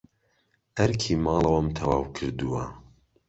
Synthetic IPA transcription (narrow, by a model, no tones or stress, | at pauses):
ʔɐɾkʰimɑːlˠɐwɐmt̪ʰɐwaːwkʰɨɾd̪uwɐ